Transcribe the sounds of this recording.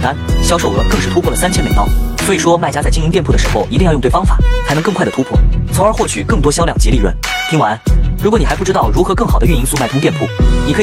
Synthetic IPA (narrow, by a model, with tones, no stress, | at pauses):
t̪a˥nɕjɑ˥ʊʂo˥˩ʊɤ̰˧˩kɤ˥˧ŋʂɻ̩˥˩t̪ʰu˥pʰɔ˥˩lə˩sa˥nt͡ɕʰjɛ˥nme˨˩t̪ɑ˥˩ʊswi˨˩ʂwɔ˥ma˥˩ɪt͡ɕja˥t͡sa˥˩ɪt͡ɕi˥ŋi˥t̪jɛ˥˧npʰu˥˩ə˩ʂɻxo˥˧ʊʔi˧˥i˥˧ŋjjt̪wfɑ˥ŋfa̰˨˩˦t͡sʰa˥n˧˥kɤ˥˧kʰa˥˩ɪə˩t̪ʰu˥pʰwɔ̰˥˩t͡sʰo˧˥ŋə˞˧˥xwɔ˥˩t͡ɕʰy˨˩kɤ˥˩ŋt̪wɔ˥ɕjɑ˥ʊljɑ˨˩ŋt͡ɕi˥li˥˧ɻwə̰˥˩n | t̪ʰi˥ŋwa˧˥nɻu˧˥kwni˨˩xɪpu˥˩ʈ͡ʂɻ̩˥t̪ɑ˥˩ʊɻu˧˥xɤ˧˥kɤ˥˩ŋxɑ˨˩ʊd̪ə˦ɥy˥˧n˧i˥ŋsu˥˩ma˥˩ɪʊ˥t̪jɛ˥˧npʰu˥˩ni˨kʰɤ˧˥